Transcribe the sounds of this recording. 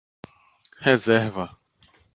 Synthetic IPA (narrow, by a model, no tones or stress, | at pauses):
hɛzɛɾvɐ